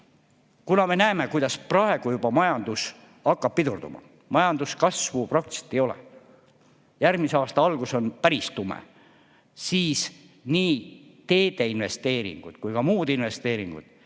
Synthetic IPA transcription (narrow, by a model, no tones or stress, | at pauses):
kunɑme̞næeme̞kujd̪̥ɑsprɑe̞ɡ̥ujubɑmɑjɑnd̪̥us | ɑkːɑb̥̚pːid̪urd̪umɑ̰ | mɑjɑnd̪uskɑsvuprɑk̚t̪i̥se̥t̪ːejolɛ̰ | jærɡmiseɑːst̪ɑɑlɡ̥uso̞npæɾist̪umḛ | siːs | niːt̪e̞ːd̪̥e̞inve̞st̪e̞ːɾḭŋɡ̥ud̪̥kujkɑmuːd̪inve̞st̪e̞ːɾiŋɡ̥ṵd̪̥